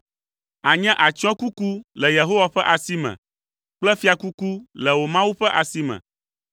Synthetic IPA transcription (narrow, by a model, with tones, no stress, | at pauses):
a˨ɲɛ̃˦ʔa˨t͡ʃɔ̃˦ku˦ku˦lɛ˨je˨ɦo˦wa˨ɸɛ˦ʔa˨si˦mɛ̰̃˨ | k͡plɛ˦fi˦a˨ku˦ku˦lɛ˨wo˨mã˦wu˦ɸɛ˦ʔa˨si˦mɛ̰̃˨